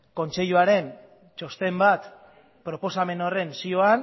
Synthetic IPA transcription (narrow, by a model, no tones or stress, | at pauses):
ko̞nt͡se̞ʎuaɾe̞n | t͡ʃo̞st̪e̞mbat̪ | pɾo̞po̞same̞nore̞nsioan